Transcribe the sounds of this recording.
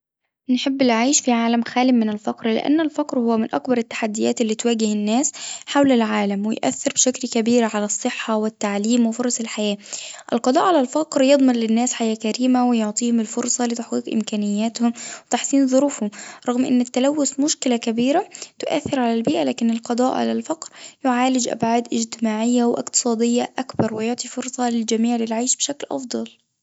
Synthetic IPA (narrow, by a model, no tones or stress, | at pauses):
nħɪbːɪlʕajʃfiʕaːlæmxæːlɪmɪnɪlfɑqɾlɪ̰ʔa̰nːɪlfɑqɾhʊwːæmɪnʔɑ̰kbɑɾˤɪt̪ːḁħad̪ːɪjæ̰ːt̪ɪlːiːt̪wæːɡɪhɪnːæːsħawlalʕaːlamwɪjʔæ̰θːɪɾbʃæklkæbiːɾʕalæsˤːɨħːɑwɪt̪ːaʕliːmwɪfʊɾˤɑsɪlħajæːʔɪlqɑd̪ˤɑːʔʕalælfɑqɾjɑd̪ˤmɑnlɪnːæːsħajæːkæɾiːmawɪjoʕt̪ˤiːhʊmɪlfʊɾsˤɑlɪt̪aħqiːqʔɪ̰mkæːnɪjːæːt̪hʊmwɪt̪aħsiːnðˤʊɾuːfhʊmɾˤɑɣmʔɪ̰nːɪt̪ːalawːʊsmʊʃkɪlakabiːɾat̪ʊʔa̰θːɪɾʕalalbiːʔalaːkɪnɪlqɑd̪ˤɑːʔʕa̰lalfɑqɾjʊʕaːlɪd͡ʒʔa̰bʕaːd̪ʔɪd͡ʒt̪ɪmaːʕɪjːawʔɪ̰qt̪ɨ̥sˤɑːd̪ɪjːaʔakbɑɾˤwɪjoʕt̪ˤifʊɾsˤɑlɪld͡ʒamiːʕlɪlʕaːʃbɪʃaklʔɑ̰fd̪ˤɑl